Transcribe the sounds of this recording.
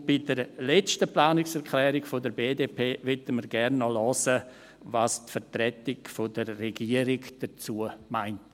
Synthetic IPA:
b̥idəɾlɛt͡stəplaːnɪksɛɾkʰlɛːɾɪɡfodəɾbeːdeːpʰeːvɛtəməɾɡɛɾnːɔlɔsə | vastfəɾtɾɛtɪkfodəɾːeɡiəɾɪɡd̥ət͡suəmaɪnt

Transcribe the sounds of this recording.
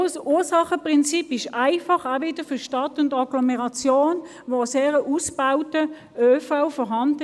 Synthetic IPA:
suːsɑχəpʁɪnt͡sipɪʃaɪfɑχavɪd̥əfʏɐʃtɑtʊndɑɡlɔmɛʁɑt͡sjoːn | ʋoseːʁəʔusb̥aʊtə | øːfaʊfɔʁɦɑnd

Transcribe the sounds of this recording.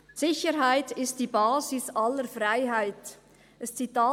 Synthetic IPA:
sɪçəɾɦaɪtɪst̚d̥iːbaːzɪsʔaləɾfraɪɦaɪt | ʔɛst͡sitaː

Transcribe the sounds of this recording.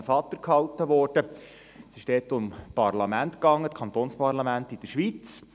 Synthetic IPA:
fɑt̪ːəɾkhɑltəʋɔːɾd̥ə | sɪʃdɛːt̪ʊmpɑrlɑmænt̪kɑŋːətkʰɑnt̪oːnspɑrlɑmæntid̥əʃʋit͡s

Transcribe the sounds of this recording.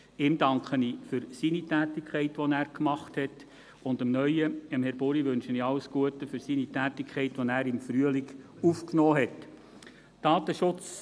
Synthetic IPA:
ɪmdɑŋkχəniːfʏɾsinitæːtɪkʰχɛɪtʋɔnæːɾkmɑχthɛt | ʊndəmnœʏəəmhɛɾb̥ʊɾiʋɵnʃəniɑləsɡ̥uətəfʏɾsinitæːtɪkʰχɛɪtʋɔnæːɾɪmfɾyəliɡ | ufknɔːɦɛt | d̥ɑːtəʃʊt͡s

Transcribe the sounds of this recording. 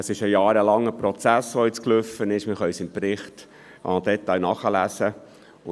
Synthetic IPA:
əsɪʃəjɑːɾəlɑŋːəpɾɔt͡sæsʋoɪt͡sklʏfːənɪʃmɪχœʏsɪmpɾɪχt | ʔɑd̥̪ɛt̪ːɑjnɑχəlæsə

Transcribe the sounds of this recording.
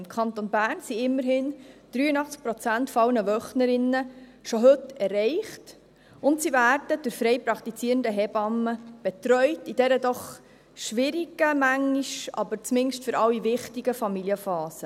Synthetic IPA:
mkʰɑnt̪onbæːrnsiɪmːəɾɦɪnd̪̥ɾyːənɑχt͡sk̚pɾɔt͡sæntfɔɑwnəʋœχnəɾɪnːəʃoɦɵtɛrːɛɪχt | ʊntsivæːɾdəd̥ʊɾfɾɛɪpɾɑkt̪it͡siːɾəndəɦɛbɑməb̥ɛtɾœʏtid̥ɛɾədɔχ | ʃʋɪɾiɡ̥əmæŋːiʃɑ̰bəɾt͡smɪŋʃtfʏɾʔɑwːivɪχtiɡəfɑmiliəfɑːsə

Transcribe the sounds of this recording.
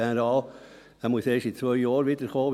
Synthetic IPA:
enəɾɑːl | æmuəseːʃit͡sʋœʏjɑːɾʋidəɾχoːʋ

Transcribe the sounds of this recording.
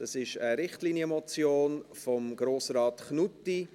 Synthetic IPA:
d̥ɑsɪʃəɾɪχtliːnjəmɔt͡sjoːnfɔmɡ̥ɾoːsɾɑːtχnuti

